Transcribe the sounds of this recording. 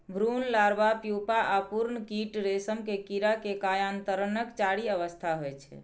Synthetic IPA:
bʱɾunlaɾbapjupaʔapuɾnəkiʈɾesəmkekiɾakekajant̪əɾənəkt͡ʃaɽiəʋəst̪ʰaɦojt͡ʃʰɛ̰

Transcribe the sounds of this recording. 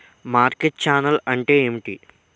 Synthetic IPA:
maːɾkeʈ̚t͡ʃaːnɐlɐɳʈeːemiʈḭ

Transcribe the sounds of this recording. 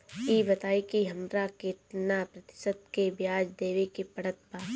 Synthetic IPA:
iːbɐt̪aːikiɦɐmɾaket̪napɾɐt̪ɪ̥sət̪kebjaːd͡ʒd̪eːʋikipɐɽət̪̚baː

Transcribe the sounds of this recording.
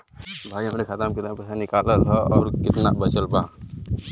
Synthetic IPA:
bʱaːiɦəmɾekʰət̪əmkɪt̪napəsanɪkaləlɦɔɔːɾkɪt̪na̰ʔbət͡ʃəlba

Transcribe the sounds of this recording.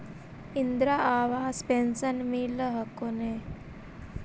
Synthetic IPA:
ind̪ɾaʔaʋaːspensənmiləɦəkone

